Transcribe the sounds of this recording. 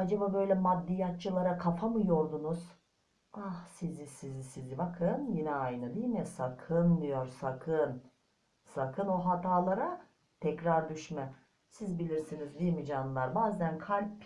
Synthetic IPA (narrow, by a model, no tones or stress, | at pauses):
ad͡ʒababø̞jlʲɛmad̪ːijat̪̚t͡ʃʰːɯlˠaɾakʰafamɯjo̞ɾd̪unuz̥ | ahsizisizisizibakʰɯnjinɛajnɯd̪ijmisakʰɯnd̪ijo̞ɾsakʰɯn | sakʰɯno̞ɦat̪ʰaːlˠaɾa | t̪ʰɛcɾaɾd̪yʃmɛ | sizbilʲiɾsinizd̪ijmid͡ʒanɯlˠaɾbaːzænkʰalʲp